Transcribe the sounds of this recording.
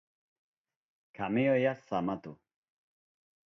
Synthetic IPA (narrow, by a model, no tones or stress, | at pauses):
kʰamiojasamat̪ʊ